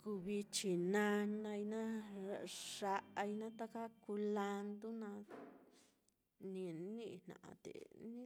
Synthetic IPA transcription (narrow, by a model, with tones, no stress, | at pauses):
ku˧βi˧t͡ʃi˨nã˧nã˧i˧nã˦ | ʂa˧ʔa˧i˧nã˦t̪a˧ka˦ku˧la˧nd̪u˦nã˧ | nĩ˧nĩ˦˧hnã̰˨ʔã̰˧t̪ḛ˨nĩ˦